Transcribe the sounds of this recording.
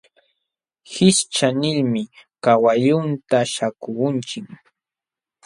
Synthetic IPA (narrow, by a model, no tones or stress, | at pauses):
hɪʃt͡ʃanɪʎmɪkawaʎʊnt̪aʃakʊʊnt͡ʃɪk